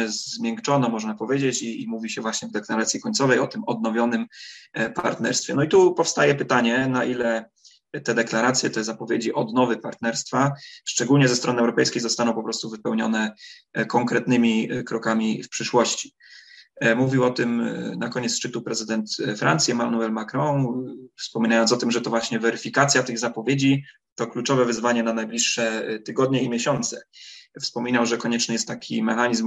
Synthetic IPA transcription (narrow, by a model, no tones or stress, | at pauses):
ɛzmʲjɛŋkt͡ʂɔnamɔʐnapɔvʲjed͡ʑet͡ɕiːmuvʲiɕɛvwaɕɲɛvd̪ɛklaɾat̪sʲjikɔɲt̪sɔvɛjɔt̪ɘmɔd̪nɔvʲjɔnɘmpaɾt̪nɛɾst̪fʲjɛnɔit̪upɔfst̪ajɛpɘt̪aɲɛnaʔilɛ | t̪ɛd̪ɛklaɾat̪sʲjɛt̪ɛzapɔvʲjed͡ʑiʔɔd̪nɔvɘpaɾt̪nɛɾst̪faʂt͡ʂɛɡulɲɛzɛst̪ɾɔnɘɛwɾɔpɛ̰jskʲejzɔst̪anɔ̃w̃pɔpɾɔst̪uvɘpɛwɲɔnɛkɔŋkɾɛt̪nɘmʲikɾɔkamʲifpʂɘʂwɔɕt͡ɕi̥ | muvʲiwɔt̪ɘmnakɔɲɛt̪sʂt͡ʂɘt̪upɾɛzɘd̪ɛnt̪fɾʔant̪sʲjɛmanuɛlmakɾɔ̃w̃fspɔmʲinajɔnsɔt̪ɘmʐɛt̪ɔvwaɕɲɛvɛɾɘfʲikat̪sʲjat̪ɘɣzapɔvʲjed͡ʑi | t̪ɔklut͡ʂɔvɛvɘzvaɲɛnanajblʲiʂːɛt̪ɘɡɔd̪̚ɲɛimʲjeɕɔnt̪sɛfspɔmʲinawʐɛkɔɲɛt͡ʂnɘjɛst̪ːakʲʰimɛxaɲizm